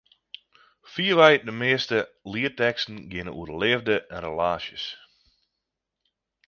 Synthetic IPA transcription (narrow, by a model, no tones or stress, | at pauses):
fiːəʋɛjdəmɪəstəliətɛkstn̩ɡɪnəṵərdəlɪəvdəʔɛnrəlaːʃjəs